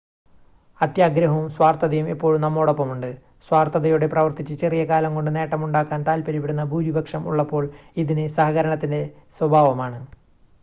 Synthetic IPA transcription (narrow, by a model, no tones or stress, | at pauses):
ɐt̪jaːɡɾɐɦɐʋumswaːrt̪ɐðɐjumepːo̞ːɻumnɐmːo̞ːɽɐpːɐmuɳɖɨ | swaːrt̪ɐðɐjuɽe̞prɐʋɐrt̪it͡ɕːɨt͡ɕe̞rijɐkaːlɐŋko̞ɳɖɨne̞ːʈːɐmuɳɖaːkːaːnt̪aːlpɐɾipiɽunːɐbʱuːɾibʱɐkʂɐmṵɭːɐpːo̞ːɭiðinɨsɐɦɐɣɐɾɐɳɐt̪ːinde̞swɐbʱaːʋɐmaːɳɨ